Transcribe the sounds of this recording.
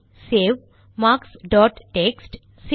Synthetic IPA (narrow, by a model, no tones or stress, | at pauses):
seʋ | maːksɖɔːʈːeksʈ | s